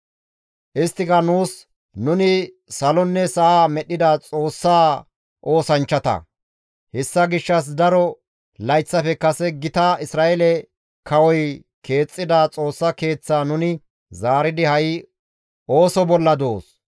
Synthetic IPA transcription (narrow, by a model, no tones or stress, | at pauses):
ʔɪst̪ːɪkɐnuːs | nʊnɪ | sɐlɔnːɛsɐʔaːmɛɗɪd̪ɐt͡sʼo̞ːsːaː | ʔo̞ːsɐnt͡ʃːɐt̪ɐ̰ | hɛsːɐɡɪʃːɐs̬d̪ɐɾɔ | lɐjt͡sːɐfɛkɐsɛɡɪt̪ɐɪsɾaːʔɛlɛ | kʰɐwɔj | kʰe̞ːt͡sʼːɪd̪at͡sʼo̞ːsːɐke̞ːt͡sːaːnʊnɪ | zaːɾɪd̪ɪhɐj | o̞ːsɔbɔlːɐd̪oːs